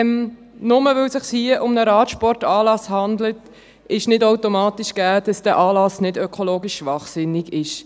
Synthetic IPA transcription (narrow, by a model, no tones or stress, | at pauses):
m | nʊməʋɵlsɪχshiəʔʊmnəɾɑːtʃpɔɾtɑːlɑshɑndlət | ɪʃnɪdaʊtomɑːtiʃɡ̥æːd̥ɑsd̥æːʔɑːlɑsnɪdœkʰoloːɡiʃʃʋɑχsɪnːɪɡɪʃ